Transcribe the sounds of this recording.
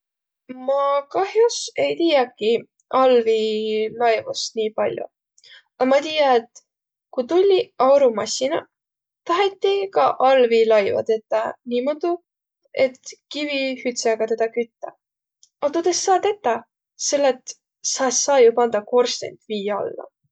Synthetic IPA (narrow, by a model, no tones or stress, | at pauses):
mɑkɑhjuse̞jt̪iːjɑkːˑi | ʔɑlvilɑjvusniːpɑlʲjṵ | ɑmɑt̪ijɑet̪ | kut̪ulʲːiɑwɾumɑsʲinɑ̰ | t̪ɑɦet̪ːikɑʔɑlvilɑjvɑ̰t̪e̞t̪ːˑɑnʲimod̪u | et̪kivihyt̪seɡ̥ɑt̪e̞d̪ɑkyt̪ːɑ | ɑt̪ut̪esːɑːt̪et̪ːˑɑ | se̞lːet̪ | sɑsːɑːjupɑnd̪̥ɑko̞rst̪ḛnʲt̪viːjɑɑ̰lːɑ̰